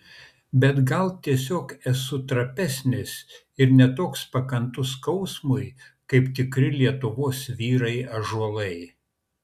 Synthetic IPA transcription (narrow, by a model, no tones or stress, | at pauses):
bʲɛt̪ɡɐlˠt̪ʲiɛsʲoːkɛsʊt̪ɾɐpʲɛsʲnʲɪs | ɪɾnʲɛt̪oːkspɐkɐnt̪ʊskɐʊsmʊɪkɐɪpt̪ʲɪkɾʲɪlʲiɛt̪ʊʋoːsʋʲiːɾɐɪɐʒuɔlˠɐɪ